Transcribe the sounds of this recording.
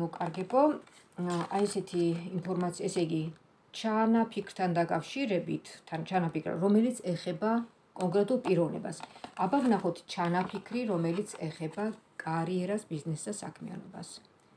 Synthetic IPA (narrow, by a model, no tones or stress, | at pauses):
ɔkʼaɾɡɛbɔ | aisɛt̪ʰiːmpʰɔɾmat̪sʰiaɛsɛɡi | t͡ʃʰanapʰikʰɾt̪ʰand̪akʼafʃiɾɛbit̪ʰːant͡ʃʰanapikʰɾa̰ɾɔmɛlit̪sʰɛχɛba | kʼɔŋkʼɾɛt̪ʼulˠpʼiɾɔvnɛ̰basabavnaχɔt̪ʰt͡ʃʰanapʰikʰɾiɾɔmɛlit̪sʰɛχɛbakʼaɾiɛɾasbiznɛsd̪asa̰kʰmia̰nɔ̰ba̰s